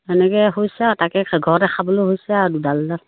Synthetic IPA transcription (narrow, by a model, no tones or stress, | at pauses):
ɛnɛkɛɦojsɛatakɛɡʱɔɹɛkabɔlojhojsɛadudaldal